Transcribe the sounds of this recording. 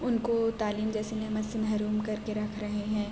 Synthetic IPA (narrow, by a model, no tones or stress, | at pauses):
ʊnkot̪aːliːmd͡ʒɛːsenɐɦmɐt̪sɪnɦɐɾuːmkɐɾkeɾɐkʰɾɐɦeɦɛ̃ː